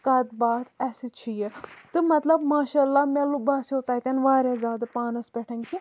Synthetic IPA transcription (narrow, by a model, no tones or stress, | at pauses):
kɐd̪baːt̪ɛsit͡ʃʰijet̪ɨmɐt̪lɐbmaːʃaːlːamɛlubaːsoːt̪aːt̪ʲɐnʋaːɾezʲaːd̪ɐpaːnɐspʲɛʈʰɐnki